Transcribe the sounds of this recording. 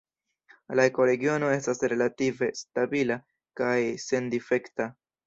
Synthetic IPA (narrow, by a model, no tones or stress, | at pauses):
laeko̞ɾe̞ɡio̞no̞e̞stasɾe̞lative̞stabila | kajse̞ndife̞kta